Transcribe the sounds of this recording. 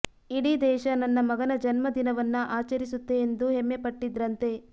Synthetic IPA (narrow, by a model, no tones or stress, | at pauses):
iɽid̪ɛːʃɐnɐnːɐmɐɡɐnɐd͡ʒɐnmɐd̪inɐʋɐnːɐʔaːt͡ʃɐɾisut̪ːe̞ːnd̪uɦemːepɐʈːid̪ɾɐnt̪e̞